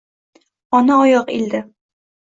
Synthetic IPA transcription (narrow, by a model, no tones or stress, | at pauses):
ɒnaɒjɒqild̪ɪ